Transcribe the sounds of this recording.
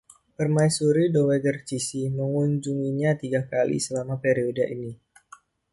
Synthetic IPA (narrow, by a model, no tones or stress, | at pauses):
pərmajsuɾidowedərt͡ʃisiməŋuɲd͡ʒuŋiɲat̪iɡakalḭsəlamapeɾiodaʔini